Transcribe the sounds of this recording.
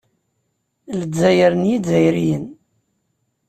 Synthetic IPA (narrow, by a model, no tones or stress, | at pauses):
ləzːæjəɾənjidzæjɾijən